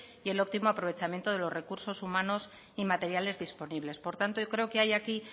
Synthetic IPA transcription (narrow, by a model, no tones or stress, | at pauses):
ie̞lo̞p̚t̪imoapɾo̞β̞e̞t͡ʃamje̞nt̪o̞ð̞e̞lo̞zre̞kuɾso̞sumano̞s | imat̪e̞ɾjale̞zðispo̞niβ̞le̞spo̞ɾt̪ant̪ookɾe̞oke̞ajaki